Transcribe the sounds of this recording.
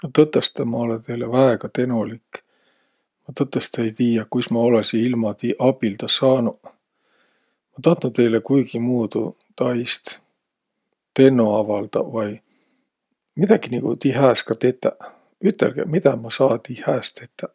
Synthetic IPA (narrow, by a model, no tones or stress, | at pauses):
not̪ɤt̪ːˑest̪ːemɑo̞let̪ejlevæeɡ̥ɑt̪e̞nolik | mɑt̪ɤt̪ːˑɑst̪ejt̪iːjɑkujsmɑo̞lesiilmɑt̪iʔɑbild̪̥ɑsɑːnu | mɑt̪ɑht̪nut̪e̞jlekujɡ̥imuːd̪̥ṵ | t̪ɑjst̪ | t̪e̞nːoɑvɑld̪̥ɑ̰vɑj | mid̪̥ɑɡ̥iniɡ̥ut̪iɦæːskɑt̪e̞t̪ːæ | yt̪ːˑelɡ̥ḛmit̪ɑmɑsɑːt̪ihæːst̪e̞t̪ːɑ